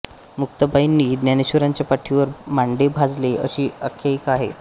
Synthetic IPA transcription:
muk̚t̪əbʱainːiːd̪njaneɕuɾaɲt͡ɕjapaʈʰːiʋəɾmaɳɖebʱad͡zleə̰ɕiːəkʰːjaikaɦḛ

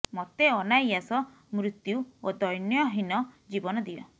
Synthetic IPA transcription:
mɔt̪eɔnajasɔ | mɾut̪juod̪ɔjnjɔɦinɔd͡ʒibɔnɔd̪iɔ̰

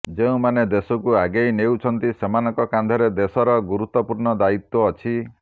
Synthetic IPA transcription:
d͡ʒeũmaned̪esɔkuaɡejnewt͡ʃʰɔnt̪isemanɔŋkɔkand̪ʱɔɾed̪esɔɾɔɡuɾut̪ːɔpuɾɳɔd̪ait̪wɔːt͡ʃʰi

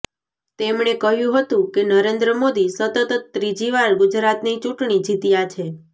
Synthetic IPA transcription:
t̪emɳekəɦjũɦət̪ũkenəɾend̪ɾəmod̪isət̪ət̪ət̪ːɾid͡ʒiʋaɭɡʊd͡ʒɾat̪nit͡ʃũʈɳ̃id͡ʒʱit̪jat͡ʃʰe

